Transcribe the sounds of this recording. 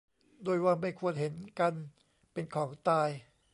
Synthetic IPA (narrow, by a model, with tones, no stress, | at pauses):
doː˧jwaː˧˩ma˥˩jkʰu˧˩ənɦe˩˦nka˧n | pe˧nkʰɔː˩˦ŋt̪aː˧j